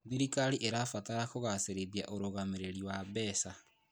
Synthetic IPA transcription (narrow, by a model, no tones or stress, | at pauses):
ðiɾikaɾiʔeɾafataɾakoɣaseɾeðia̰ʔoɾoɣameɾeɾiwaβɛːsa